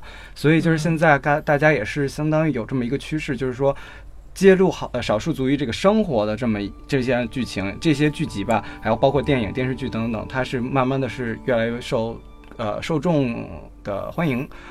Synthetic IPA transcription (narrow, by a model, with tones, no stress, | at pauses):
swɔ˧˥i˨˩t͡ɕjo˥˧ʂɻ̩˥˧˩ɕjɛ˥˧nt͡sa˥˩ɪka˥˧t̪a˥˩t͡ɕja˥jɛ˨˩ʂɻ̩˥˩ɕjɑ˥ŋt̪ɑ˥ŋy˧˥jo˨˩ʊʈ͡ʂɤ˥˩mə˩i˧˥ɡə˧t͡ɕʰy˥ʂɻ̩˥˩t͡ɕjo˥˧ʂɻ̩˥˩ʂwɔ˥ | t͡ɕjɛ˥lu˥˩xʂɑ˨˩ʊʂu˥˩t͡su˧˥y˧˥ʈ͡ʂɤ˥˩ɡə˩ʂɤ˥ŋxwɔ˧˥d̪ə˧ʈ͡ʂɤ˥˩mə˩˥ʈ͡ʂɤ˥˩ɕjɛ˥t͡ɕy˥˩t͡ɕʰi˧˥ŋʈ͡ʂɤ˥˩ɕ̬jɛ˥t͡ɕy˥˩t͡ɕi˧˥bɐ˧a˧˥ɪjo˨˩ʊpɑ˥ʊkʰwɔ˥˧t̪jɛ˥˩ni˨˩ŋt̪jɛ˥˧nʂɻ̩˥˧t͡ɕy˥˩t̪ɤ˧˥ŋt̪ɤ̰˨˩ŋt̪ʰa˥ʂɻ̩˥˧ma˥˧nma˥˩nd̪ə˩ʂɻ̩˥˧ɥɛ˥˩la˧˥ɪɥɛ˥˧ʂo˥˧ʊ | ə̰˧ʂo˥˧ʊʈ͡ʂʊ˥˩ŋ | d̪̥ə̰˨˩xwa˥ni˧˥ŋ